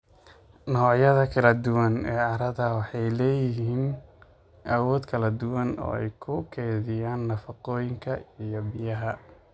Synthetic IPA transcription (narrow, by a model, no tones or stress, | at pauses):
nɔːʕjɐðɐkʰɐlɐd̪ʊwɐnɛːʕɑɾɐðɐwɑħɑjlɛːjɪɦiːnn | ʔɐwɔːd̪kʰɐlɐd̪ʊwɐnɔ̰ːɛ̰jkʰʊkʰɛːðɪjaːnːɐfɑqɔːjɪŋkʰɐijɔbɪjɐɦɐ